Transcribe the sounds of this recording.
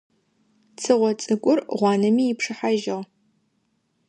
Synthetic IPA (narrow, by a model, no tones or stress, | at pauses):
t͡sʰɨʁʷɔt͡sʼɨkʷʼʊrʁʷɑːnɐmiːɪpʂɨħaʒɐʁ